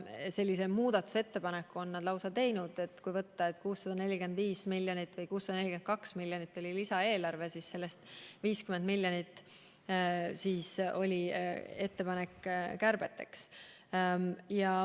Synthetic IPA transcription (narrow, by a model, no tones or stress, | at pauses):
se̞lʲːise̞muːd̪̥ɑt̪ːˑu̥se̞t̪ːe̞pɑnekːˑuo̞nːɑd̪lɑwsɑt̪e̞jnud̪̥e̞t̪ːˑkujvɤt̪ːɑe̞t̪ːˑkuːsːɑd̪̥ɑne̞lʲːike̞nd̪viːsmilʲːjonit̪ːˑvɤjkuːsːɑd̪ɑne̞lʲike̞n̥kɑksmilʲːjonit̪ːˑo̞lʲilisɑe̞ːlɑrve̞sisse̞lːe̞st̪viːskymend̪milʲjonit̪ːˑ | siːso̞̰lʲie̞t̪ːe̞pɑne̞kːkærbe̞t̪ːe̞̰ks | jɑ